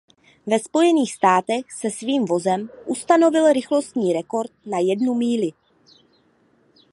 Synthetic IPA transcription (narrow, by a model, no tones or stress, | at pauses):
vɛspo̞jɛniːxst̪aːt̪ɛxsɛsviːmvo̞zɛmʔust̪ano̞vɪlɾɪxlo̞st̪ɲiːɾɛko̞ɾt̪̚najɛdnumiːlɪ